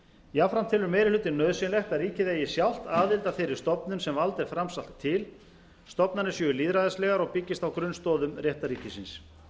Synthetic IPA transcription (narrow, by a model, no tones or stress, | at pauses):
iafɾamt̪ʰɪlʏɾmeːjɾɪlʏːt̪ɪnnːœðsɪnlɛxk̪aɾiːcɪðɛjɪsjawl̥t̪aːðɪlt̪afɪɾɪɾst̪ɔpnʏnsɛmvalt̪ɛɾ̥fɾamsal̥t̪ʰːɪl | st̪ɔpnanɪsjœʏliːðɾaðɛslɛːɣaɾɔɣpɪcːɪst̪awkɾʏnst̪ɔːðʏmrjɛht̪aɾiːcɪsɪns